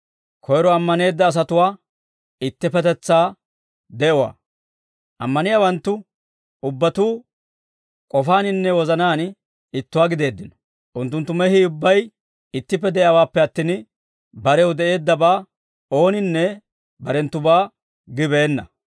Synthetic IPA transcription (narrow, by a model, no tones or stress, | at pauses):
kʰɔjɾɔɐmːɐne̞ːd̪ːɐːs̬ɐt̪ʊwaː | ɪt̪ːɪpɛt̪ɛt͡sːaː | d̪ɛʔɔwa̰ː | ʔɐmːɐnɪjawɐnt̪ːʊ | ʊbːɐt̪uː | kʼɔfaːnɪnːɛwɔzɐnaːn | ɪt̪ːʊwaːɡɪd̪e̞ːd̪ːɪnɔ̥ | ʔʊnt̪ːʊnt̪ːʊmɛhiʊbːɐj | ɪt̪ːɪpːɛd̪ɛʔjawaːpːɛɐt̪ːin | bɐɾɛwd̪ɛʔe̞ːd̪ːɐbaː | o̞ːnɪnːɛ | bɐɾɛnt̪ːʊbaː | ɡɪbe̞ːnːɐ